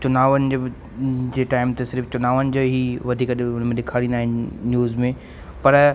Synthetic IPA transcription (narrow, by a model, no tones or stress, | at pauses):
t͡ɕʊnaːʋənɪ̆ | d͡ʑeːʈaːɪmt̪ɐsɪɾft͡ɕʊnaːʋənɪ̆d͡ʑoːɦiʋɐd̪ʱiːkəɗɪʊn̤əmẽɗɪkʰaːɽĩnd̪aːɦɪ̃nɪnjuːzmẽ | pɐɾ